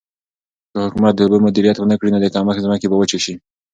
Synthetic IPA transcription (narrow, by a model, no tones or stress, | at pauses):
kəhʊkumat̪̚d̪əʊbəmʊd̪iɾijat̪wənakɽinod̪əkɑməxzmɑkebawət͡ʃeʃi